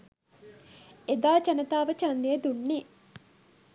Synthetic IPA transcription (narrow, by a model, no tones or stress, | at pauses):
ed̪aːt͡ʃɐnɐt̪aːʋɐt͡ʃɐnd̪ejed̪uɳːeː